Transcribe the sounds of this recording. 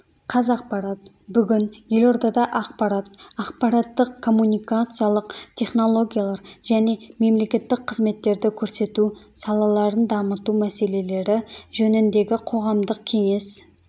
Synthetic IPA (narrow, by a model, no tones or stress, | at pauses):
qʰɑzɑq̚pɑɾat̪ | bʏɡʲɪnje̞lo̞ɾd̪ɑd̪ɑʔɑq̚pɑɾat̪ɑqpɑɾat̪ːəqkʰːo̞mːunikat̪sɨjalˠəqt̪ʲʰe̞χno̞lˠo̞ɡʲijalˠɑɾʒæne̞me̞mle̞kʲe̞t̪ːɪk̚qʰːəzme̞t̪ːe̞ɾd̪ɪkʲʰɵɾse̞t̪usɑlˠɑlˠɑɾənd̪ɑmət̪umæse̞le̞le̞ɾɪʒɵnɪnd̪e̞ɡʲɪqʰo̞ʁɑmd̪əq̚kʲʰe̞ŋe̞s